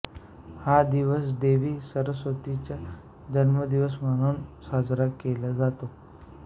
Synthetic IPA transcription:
had̪iʋəsd̪eʋiːsəɾəsʋət̪it͡ɕja | d͡ʑənməd̪iʋəs̬məɽ̃uːnsad͡zɾakelad͡zat̪o

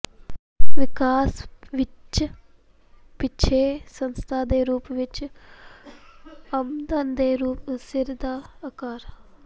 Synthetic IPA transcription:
ʋikaːsʋit͡ʃɐ | pit͡ʃʰeːsɐnst̪ʰaːd̪eːɾuːpʋit͡ʃː | ɐmd̪ɐnd̪eːɾuːpsiɾd̪ʱaːkaːɾ

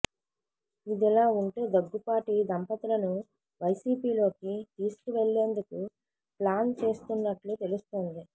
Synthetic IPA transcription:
id̪ɛlaːuɳʈeːd̪ɐɡːupaːʈid̪ɐmpɐt̪ilɐnu | ʋɐjsiːpiːlo̞ːkit̪iːsu̥kuʋeɭːeːnd̪uku | plaːnt͡ʃe̞ːst̪unːɐʈlut̪e̞lust̪oːnd̪i

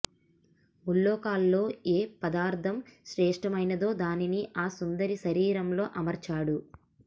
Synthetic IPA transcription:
uɭːɔːkaːlːo̞ːeːpɐd̪aːɾt̪ʰɐmʃɾɛːʂʈɐmɐjnɐd̪o̞ːd̪aːniniʔaːsund̪ɐɾiʃɐɾiːɾɐmlo̞ːʔɐmɐɾt͡ʃaːɽu

